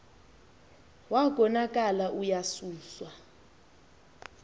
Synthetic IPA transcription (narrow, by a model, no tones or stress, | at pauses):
waɡʱɔnakʼalaʔujasuːswa